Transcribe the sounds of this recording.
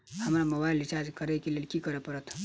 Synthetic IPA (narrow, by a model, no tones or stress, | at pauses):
am̤alaməbailit͡ɕad͡zkəɾəjkelelkiːkəɾəpəɾət̪